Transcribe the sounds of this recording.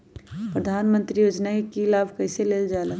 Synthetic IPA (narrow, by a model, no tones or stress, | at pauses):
pɾəd̪ʱaːnmə̃nt̪ɾijoːd͡ʒnaekilaːbʱkɐːseleːld͡ʒaːla